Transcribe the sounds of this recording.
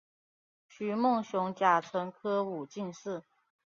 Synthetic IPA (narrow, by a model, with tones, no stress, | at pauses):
ɕy˨˩mʊ˥˩ŋɕʊ˧˥ŋt͡ɕja˨˩ʈ͡ʂʰɤ˧˥ŋkʰɤ˥u˨˩t͡ɕi˥˧nʂɻ̩˥˩